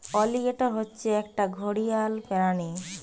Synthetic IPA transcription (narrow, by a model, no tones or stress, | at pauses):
ɔliɡeʈɔɾɦotːɕʰeɛk̚ʈaɡʱoɽijalpɛɾane